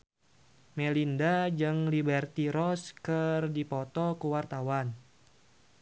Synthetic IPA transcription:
mɛlindad͡ʒɨŋlibɛrt̪iɾɔskɨrdipɔt̪ɔkəwart̪awan

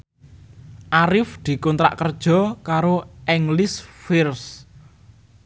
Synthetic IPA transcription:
ʔaɾɪfd̪̥i̤kɔnt̪ɾa̰ʔkərd̥ʒ̥ɔ̤kaɾoʔɛŋlɪsfɪrs

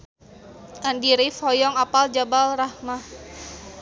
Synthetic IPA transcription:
ʔandiɾifɔjɔŋapald͡ʒabalrahma

